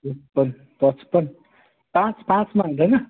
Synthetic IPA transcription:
uspʌn | pʌt͡spʌn | pãt͡sʰpãt͡smaɦũd̪ʌjnʌ

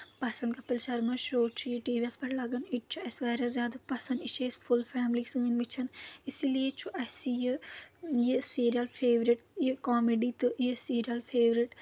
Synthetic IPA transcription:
pɐsɐnkɐpɪlʃɐɾmɐʃoːt͡ʃʰujiʈiːʋiɐlspɐʈlɐɡɐniʈ̚t͡ʃʰuɐsʋaːɾazjaːd̪ɐpɐsɐnd̪it͡ʃʰesfʰulfʰɛːmliksɨ̃ːnʋit͡ʃʰɐnisilijet͡ʃʰuʔɐsiji | jisiːɾijɐlpʰeːʋɾiʈjikaːmeɖit̪ɨjisiːɾijɐlpʰeːʋɾiʈ

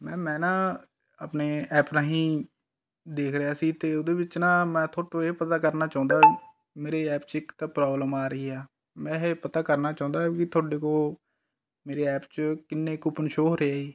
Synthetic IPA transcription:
mɛ̃ːmɛ̃ːnãː | əpneːɛːpnaːɦĩː | d̪eːkʰɾəjaːsiːt̪eːʊd̪eːbɪt͡ʃnãːmɛ̃ːt̪ʰoːʈoːeːpət̪aːkəɾnaːt͡ʃãːũnd̪aː | meːɾeːɛːpt͡ʃɪkt̪aːpɾɔːbləmaːɾəiːɛː | mɛ̃ːɦepət̪aːkəɾnaːt͡ʃãːnd̪aːkɪt̪ʰoːɖeːkoː | meːɾeːɛːpt͡ʃkɪnːẽːkʊpənʃoːɦoɾeaːiː

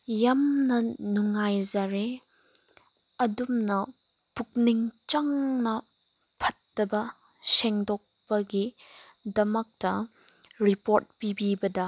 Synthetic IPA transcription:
jɐmnɐnuŋajzaɾe | ɐdumnɐ | puk̚niŋt͡ʃɐŋnɐ | pʰɐtːɐbɐ | sɛŋdɔk̚pɐɡidɐmɐk̚tɐ | ɾipoɾt̚pibibɐdɐ

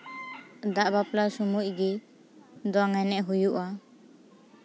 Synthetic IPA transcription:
d̪aʔbaplasumuc̚ɡi | d̪ɔŋɛnɛʔɦujuʔa

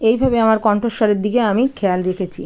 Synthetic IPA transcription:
ejbʱabeamaɾkɔɳʈoʃːɔɾeɾd̪ikeamikʰɛalɾekʰet͡ɕʰḭ

